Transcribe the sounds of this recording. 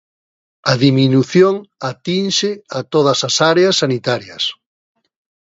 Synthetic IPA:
ɐðiminuθjoŋat̪inʃɪat̪oð̞ɐsasaɾeasːanit̪aɾjɐs

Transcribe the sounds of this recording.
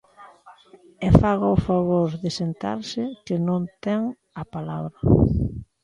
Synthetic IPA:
ɛfaɣaʊfaβoɾðɪsent̪a̰ɾsɪkɪnõnt̪ɛŋ | apalaβɾɐ

